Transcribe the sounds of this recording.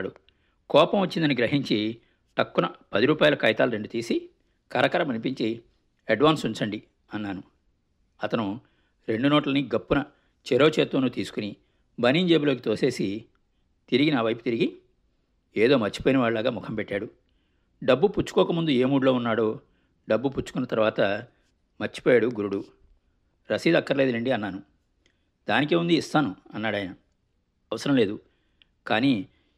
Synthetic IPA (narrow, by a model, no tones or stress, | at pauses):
ɽu | kɔːpɐmʋɐt͡ʃːind̪ɐniɡɾɐɦiɲt͡ʃi | ʈɐkːunɐpɐd̪iɾuːpaːjɐlɐkɐjt̪aːluɾe̞ɳɖut̪iːsi | kɐɾɐkɐɾɐmɐnip̬iɲt͡ʃi | ɐɖʋaːnsuɲt͡ʃɐɳɖi | ɐnːaːnu | ɐt̪ɐnu | ɾe̞ɳɖunɔːʈɐlɐniɡɐpːunɐ | t͡ʃɛɾo̞ːt͡ʃeːt̪uːnut̪iːsu̥kuni | bɐniːɲd͡ʒeːbiloːk̬it̪oːse̞ːsi | t̪iɾiɡinaːʋɐjput̪iɾiɡi | eːd̪oːmɐt͡ʃːi̥poːjinɐʋaːɭlaːɡaːmɔkʰɐmpɛʈːaːɽu | ɖɐbːuput͡ʃːu̥kɔːkɐmund̪ueːmuːɽulo̞ːunːaːɽo̞ː | ɖɐbːuput͡ʃːu̥kunːɐt̪ɐɾuʋaːt̪ɐ | mɐt͡ʃːi̥poːjaːɽuɡuɾuɽu | ɾɐsiːd̪ɐkːɐɾɐleːd̪ɐlɐɳɖiɐnːaːnu | d̪aːnik̬eːund̪iːst̪aːnuɐnːaːɽɐːjɐnɐ | ɐʋɐsɐɾɐmle̞ːd̪u | kaːniː